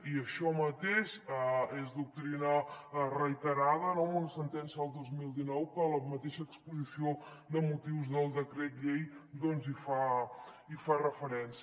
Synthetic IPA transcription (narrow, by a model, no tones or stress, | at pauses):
iəʃɔmət̪eʃəezðuk̚t̪ɾinərəjt̪əɾað̞ənɔunəsənt̪ɛnsiəəlˠd̪ozmilˠd̪inɔwkələmət̪eʃəːkspuzisio | d̪əmut̪iwzðəlˠd̪əkɾɛt̪ʎejd̪ɔnzifa | ifarəfəɾɛns